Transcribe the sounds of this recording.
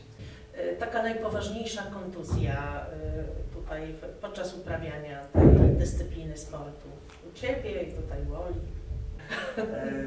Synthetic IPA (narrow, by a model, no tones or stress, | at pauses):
t̪akanajpɔvaʐɲejʂakɔnt̪uzʲja | t̪ut̪ajpɔt̪̚t͡ʂasupɾavʲjaɲad̪ɨst̪sɘplʲinɘspɔɾt̪u | ut͡ɕɛbʲjɛit̪ut̪ajvɔlʲi